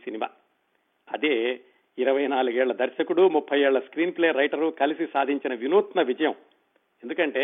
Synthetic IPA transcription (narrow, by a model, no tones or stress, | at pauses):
sinima̰ː | ɐd̪eː | iɾɐʋɐjnaːluɡɛːɭːɐd̪ɐɾʃɐkuɽumupʰːɐjɛːɭːɐskɾiːnpleːɾɐjʈɐɾukɐlisisaːd̪ʱiɲt͡ʃinɐʋinuːt̪nɐʋid͡ʒɐjɐm | end̪ukɐɳʈe̞ː